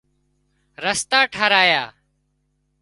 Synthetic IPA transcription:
ɾəst̪aːʈʰaːɾaːjaː

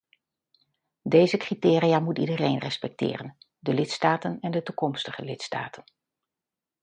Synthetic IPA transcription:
dejzəkritɪːɾijamutidərejnrɛspɛk̚tɪ̰ːrən | dəlɪtstaːtənɛndətukɔmstəχəlɪtsta̰ːtʰən

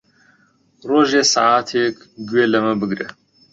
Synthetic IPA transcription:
roːʒeːsa̰ʕaːt̪ʰeːk | ɡweːlɐməbɨɡɾe

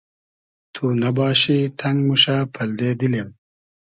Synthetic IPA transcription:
t̪ʰunɐbɑːɕit̪ʰɐŋɡmuʂapʰɐld̪eːd̪ilem

